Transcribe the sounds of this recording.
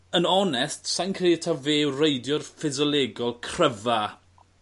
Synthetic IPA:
ənɔnɛstsajnkʰreətʰaveːwrejdjɔrfɪzɔlˠeɡɔlˠkʰrəva

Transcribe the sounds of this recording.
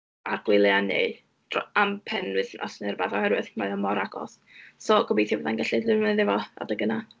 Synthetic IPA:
arɡ̥wɪlˠjanḛ | d̥rɔampʰɛnwɨθnʔɔ̰snɨrbaːðɔhɛɾwɨð̥maɔmɔɾaɡɔ̰s | sɔɡɔbejθjawɛðanɡaɬilɨməðɪvɔa̰dəɡəna

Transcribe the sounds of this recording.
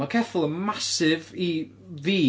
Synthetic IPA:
akʰɛθʊlˠənmasɪvi | ðiː

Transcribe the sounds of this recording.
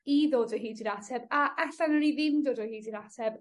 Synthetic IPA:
iðoːdɔɦiːdinatʰɛbaʔɛɬanəɾiðɪmdoːdɔhiːdiɾatʰɛb̥

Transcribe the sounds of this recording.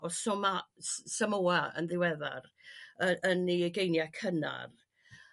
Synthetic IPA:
ɔsɔmassamowaə̰nðɪwɛða̰rəəniəɡejnjakʰəna̰r

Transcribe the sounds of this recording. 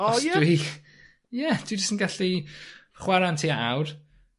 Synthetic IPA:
odwi | jɛd̥wid͡ʒəstənɡaɬiχwaɾantʰiaʔawr

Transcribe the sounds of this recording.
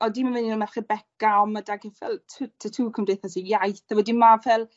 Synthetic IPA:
ɔdimanvɪninɔmɛχibɛkaɔmadaɡɪnfɛ̰lˠtʰːtʰətʰuːkʰəmdejθɔs̬ijajθawɛdimavɛlˠ

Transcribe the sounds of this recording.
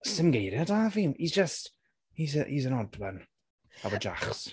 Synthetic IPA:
sɪmɡejɾjadavimizd͡ʒəst | hizəhizənɔdwan | avɔd͡ʒa̰χs

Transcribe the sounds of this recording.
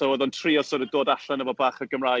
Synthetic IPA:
ɔwəðɔntʰriːɔsoɾədoːdaɬanəvɔbaːχəɡəmra

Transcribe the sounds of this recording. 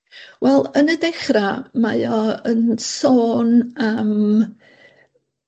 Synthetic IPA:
wɛlˠənədɛχramajɔənsoːnam

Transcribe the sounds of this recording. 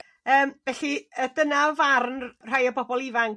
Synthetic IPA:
əːmvɛɬiədənavarnr̥ajəbɔbɔlˠɪvaŋ

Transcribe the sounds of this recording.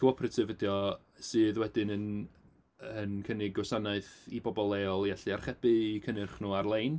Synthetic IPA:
kʰəɔpʰrətʰɨvədjɔ | sɨːðwɛdɨnən | ənkʰənɪɡɔsanaɨθibɔbɔlˠeɔlˠjaɬɨarχɛb̥ɨikʰənɨrχnuarlˠejn

